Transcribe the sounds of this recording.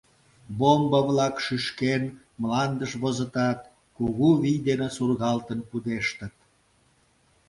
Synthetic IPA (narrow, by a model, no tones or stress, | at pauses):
bombəβlɑkʃyʃken | mlɑnd̪əʃβozə̆t̪ɑt̪̚ | kuɣuβijd̪enesurɣɑlt̪ənpud̪eʃt̪ə̆t̪̚